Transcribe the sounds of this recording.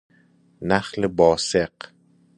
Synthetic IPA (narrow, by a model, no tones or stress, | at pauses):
naχlɪbɒːseq